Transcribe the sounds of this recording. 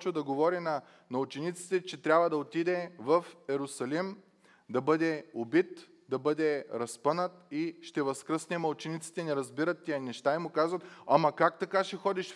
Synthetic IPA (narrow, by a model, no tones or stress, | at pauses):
t͡ʃəd̪ɐɡovɔɾinɐ | nɐut͡ʃɛnit̪si̥t̪ɛt͡ʃɛt̪ɾʲabvəd̪ɐot̪id̪ɛvɐfɛɾʊsɐlim | d̪ɐbɤd̪ɛobit̪ | d̪ɐbɤd̪ɛɾɐspɤnət̪iʃt̪ɛvɐskɾəsnɛmɐlˠt͡ʃɛnit̪si̥t̪ɛnɛɾɐzbiɾət̪ːijɐnɛʃt̪aimʊkazvɐt̪ɐmɐkakt̪ɐkaʃɛxɔd̪iʃ